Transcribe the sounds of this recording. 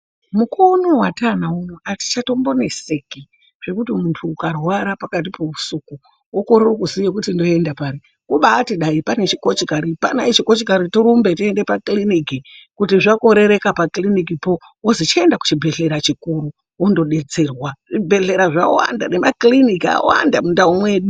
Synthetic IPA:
mukʰo̞no̞watanaunoʔati̥t͡ʃato̞mbo̞ne̞se̞ki | ʐ̥e̞kutimuntʰuːkarwaɾapakat̬ipo̞usuku | wokoɾerokuzijekutindo̞e̞ndapaɾi | kuɓaːtiɗaipane̞t͡ʃiko̞t͡ʃikaɾipa̰nait͡ʃiko̞t͡ʃikaɾitiɾumbe̞tie̞nde̞paklinikikutiʐako̞ɾe̞ɾe̞kapaklinikipo̞ | wozit͡ʃaendaku̥t͡ʃibʱe̞ɬe̞ɾat͡ʃikuɾu | wondo̞ɗe̞t͡se̞rwaʐibʱe̞ɮe̞ɾaʐawa̰nda̰ne̞ma̰klinikia̰wa̰ndamundaumwe̞ɗu

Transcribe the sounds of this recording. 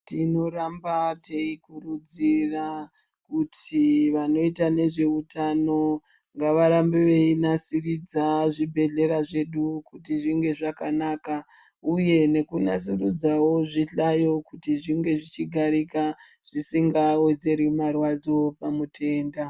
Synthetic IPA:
tino̞ɾambate̞ikurud͡zira | kutʰiʋano̞itane̞ʐe̞utʰano̞ | ŋɡaʋaɾambeʋe̞inasirid͡zaʐibʱe̞ɮe̞ɾaʐe̞ɗukutiʐiŋɡe̞ʐakanaka | uje̞ne̞kunas̬irud͡zawo̞ʐiɬajo̞kutiʐiŋɡe̞ʐit͡ʃiɡʱaɾika | ʐ̥isiŋɡawe̞d͡ze̞ɾimarwad͡zo̞pamutʰe̞ːnda

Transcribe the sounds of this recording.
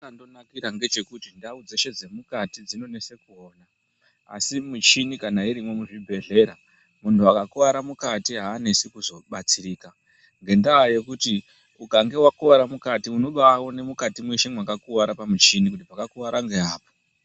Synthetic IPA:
andonakiɾaŋɡe̞t͡ʃe̞kutindaud͡zeʃe̞d͡ze̞mukatid͡zino̞ne̞se̞kuo̞ːna | a̰simut͡ʃinikanaiɾimwo̞muʐibʱe̞ɮe̞ɾa | muntʰuakakuʋaɾamukatiɦaːnesikuzo̞ɓat͡siɾiːka | ŋɡe̞ndaaje̞kuti | ukaŋɡe̞wakuʋaɾamukatiuno̞ɓawo̞ne̞mukatimwiʃemwakakuʋaɾapamut͡ʃinikutipakakuʋaɾaŋɡe̞ɦaːpo̥

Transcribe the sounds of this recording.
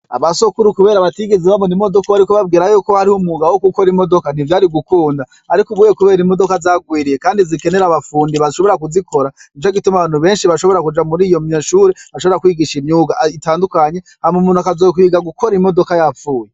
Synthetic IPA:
a̰βasokuɾukuβe̞ːɾaβatiɡeziβamonimodo̞kaaɾikoβabɡiːɾajoko̞haɾihomuɡawokuko̞ɾimo̞do̞kan̥ivjaːɾiɡukuːnda | aɾikuɡuːjekuβe̞ːɾimodo̞kazaːɡwiːɾijekaːndizike̞ne̞ɾaβafuːndiβaʃo̞βo̞ɾakuzikʰo̞ɾait͡ʃoɡitumaβaːnhuβe̞ːnʃiβaʃoβo̞ɾakud͡ʒamuɾiːjo̞mɲeʃuːɾeaʃo̞βɾakwiːɡiʃimɲuːɡaitaːndukaɲe̞ | hamumuːnhuakazok̬iːɡaɡukʰo̞ɾimo̞dokajafuːje

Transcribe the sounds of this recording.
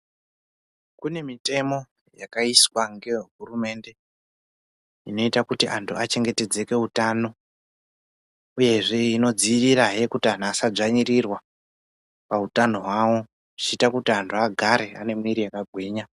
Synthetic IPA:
kune̞mite̞mo̞ | jakaiswaŋɡe̞ɦurume̞nde̞ | ino̞itakutiʔantʰuat͡ʃe̞ŋɡe̞te̞d͡ze̞ke̞utano̞ | uje̞ʐe̞ino̞d͡ziʋiɾaje̞kutian̤asab͡ʐaɲirirwa | pautano̞ɦwawo̞ | ʐi̥t͡ʃiitakutiantʰuaɡʱaɾe̞a̰ne̞mwiɾiakaɡʱwiːɲa

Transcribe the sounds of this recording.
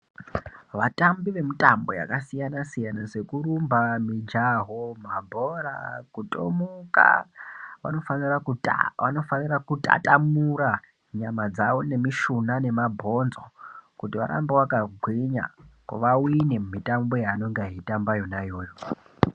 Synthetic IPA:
ʋatambiʋe̞mutambo̞̰ja̰kasijanasijanaʐe̞kurumbamid͡ʒaɦomabʱo̞ɾa̰kutʼo̰muka̰ʋa̰no̞fanirakuano̞fanirakutʼa̰tamuɾa | ɲamad͡zaʋo̞ne̞miʃunane̞mabʱo̞nzokutiwa̰ɾa̰mbewakaɡʱwiɲa̰ka̰ʋawine̞mumitambo̞jaːno̞ŋɡaɦitambajo̞najo̞ːjo

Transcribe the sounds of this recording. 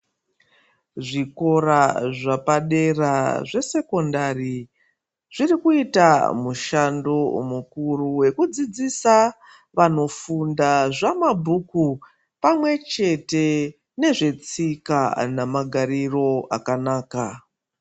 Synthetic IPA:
ʐiko̞ɾaʐapaɗe̞raʐe̞se̞ko̞ndari | ʐirikuita̰muʃandomukuruwe̞kud͡zid͡zisa | ʋano̞fundaʐamabʱuku | pamwe̞t͡ʃe̞te̞ | ne̞ʐe̞t͡sikanamaɡʱariro̞akanaːka

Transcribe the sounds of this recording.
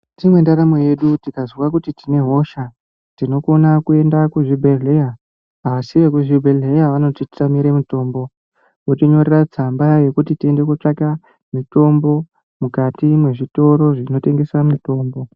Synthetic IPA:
timwe̞ndaɾamoje̞ɗutikazwakutitine̞ɦo̞ʃa | tino̞ko̞nakue̞ndakuʐibʱeɮeja | asiʋekuʐibʱeɮejaʋano̞titi̥tamiɾemuto̞ːmbo̞ | wotiɲo̞rerat͡sambaje̞kutitie̞nde̞kut͡ʂaka | mito̞mbo̞ | mukatimwe̞ʐito̞ɾo̞ʐino̞te̞ŋɡe̞swamito̞ːmbo̞

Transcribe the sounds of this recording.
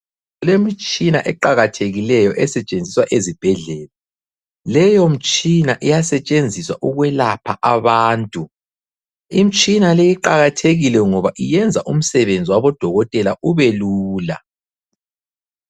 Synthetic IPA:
lemit͡ʃʼinaʔɛǃaɣatʰeɣilɛjɔʔɛsɛt͡ʃʼend͡zʱiswaʔezib̥ʱɛɮɛːla | lɛjom̩t͡ʃʼinaʔijasɛt͡ʃʼend͡zʱiswa̰ʔuɣwɛlapʰaʔaβaːntʼu | im̩t͡ʃʼinalejiǃaɣatʰeɣilɛŋɔβaʔijɛnd͡zʱaʔum̩sɛβend͡zʱiwaβɔd̥ʱɔɣɔtʼɛlaʔuβɛluːla̰

